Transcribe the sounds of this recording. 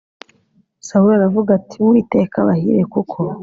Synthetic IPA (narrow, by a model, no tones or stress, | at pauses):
saulaɾavuɡatʰimuiːte̞ːkaβahḭɾekukʰo